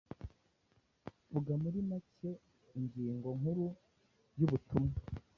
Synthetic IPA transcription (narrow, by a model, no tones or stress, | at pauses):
βuɡamuɾimace | iɲɟiːŋɡo̞ŋ̥huɾu | juβutumŋa